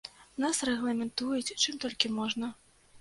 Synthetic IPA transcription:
nasrɛɣlˠɐmʲɛnt̪ujut͡sʲt͡ʂɨmt̪ɔlʲkʲimɔʐnɐ

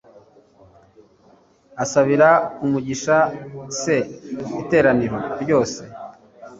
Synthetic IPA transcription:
asaβiɾaumuɟiʃase̞ite̞ːɾaniɾo̞ɾɟo̞ːse̞

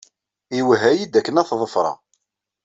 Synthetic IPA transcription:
iwɦæjid̪ækːənæθðˤəfɾˤɑ̰

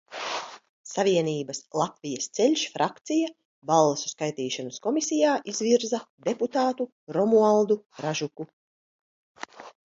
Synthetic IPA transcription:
saviɛniːbɐslˠat̪vʲijɐst̪sɛlʲʃfɾʔakt̪sija | balˠːesu̥skajt̪iːʃanuskɔmisʲijaːʔizviɾzɐd̪eput̪aːt̪u | ɾɔmualˠd̪uɾaʒuku

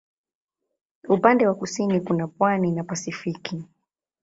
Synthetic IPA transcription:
upandɛwakusinikunapwaninapasifiki

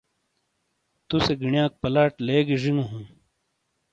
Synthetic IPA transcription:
t̪useɡiɳjãːk̚pɐlaːʈleːɡiʐiŋɡuɦũː

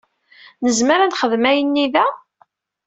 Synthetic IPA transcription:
nəzməɾænχəðmæjənːiðæ

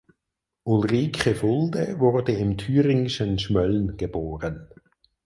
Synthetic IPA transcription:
ʔulʁiːkʰəfʊld̪əvʊʁdəɪmtʰyːʁɪŋɪʃənʃmœlnɡ̥əb̥oːʁən

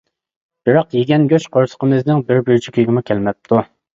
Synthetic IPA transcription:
b̥ɪɾɑqjeɡʲɛnɡʲøt͡ʃqʰoɾsə̥qʰəmɨznɪŋbɪɾbyɾt͡ʃʰikʲʰøɡʲɪmukʲʰɛlmɛp̚t̪ʰːu

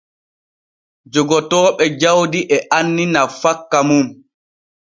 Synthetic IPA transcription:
d͡ʒɔɡɔtɔːɓɛd͡ʒawdiʔɛʔanːinafakːamum

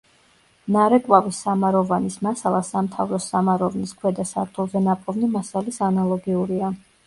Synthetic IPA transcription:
naɾɛkʼwavisːamaɾɔvanismasalˠasamt̪ʰavɾɔsamaɾɔvniskʰwɛd̪asaɾt̪ʰulˠzɛnapʼɔvnimasalisanalˠɔɡiuɾia

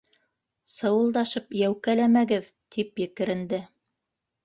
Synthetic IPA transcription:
sɤ̆wɤ̆lˠd̪ɑʃɤpjæwkælæmæɡɘðt̪ʰipjɘ̆kɘ̆ɾɘ̆nd̪ɘ

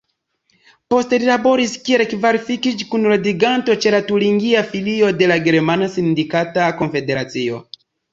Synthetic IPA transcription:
po̞ste̞lilabo̞ɾiskielekvaɾifikit͡ʃkunladiɡanto̞t͡ʃe̞latuliŋɡiafilio̞de̞laɡe̞ɾmanasindikatako̞nfe̞de̞ɾat͡sio̞̰

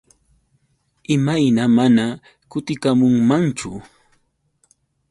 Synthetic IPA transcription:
ɪmajnamana | kʊt̪ɪkamʊŋmant͡ʃʊ̰

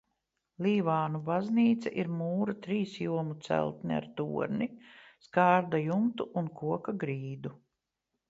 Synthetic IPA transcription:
lʲiːvaːnubazniːt̪sɛʔiɾmuːɾat̪ɾiːsjuɔmut̪sæ̰lˠt̪nia̰ɾt̪ṵɔ̰ɾniskaːɾd̪ajumt̪uʔunkuɔkaɡɾiːd̪u

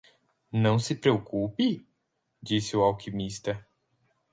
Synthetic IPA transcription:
nɐ̃w̃sɪpɾeokupɪ | d͡ʒisɪʊawkʰimist̪ɐ

